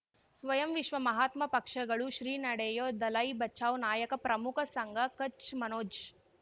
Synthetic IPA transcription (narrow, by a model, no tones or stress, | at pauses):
sʋɐjɐmʋiʃʋɐmɐɦaːt̪mɐpɐkʂɐɡɐɭuʃɾiːnɐɽeːjoːd̪ɐlɐjbɐt͡ʃʰaːʋnaːjɐkɐpɾɐmukʰɐsɐŋɡʱɐkɐt͡ʃmɐnoːd͡ʒ